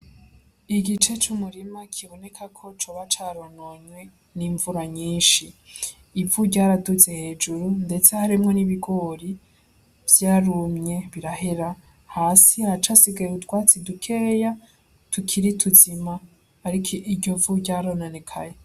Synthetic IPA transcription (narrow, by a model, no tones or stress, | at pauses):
iɡit͡ʃe̞t͡ʃumuɾimakʰiβo̞ne̞kʰakʰo̞t͡ʃoβat͡ʃaɾonoɲwe̞ | niːɱvuɾaɲiːnʃiː | vuɟɟaːɾaduze̞he̞ːd͡ʒuɾunde̞t͡sehaɾimŋo̞niβiɡo̞ɾi | vjaːɾumɲe̞βiɾaɦeɾa | haːsihat͡ʃasiɡajeutwaːt͡sidukʰeja | tʰukʰiɾitʰuzimaː | ɾikʰiʔiɾɟo̞vuɟaːɾonane̞kʰa̰je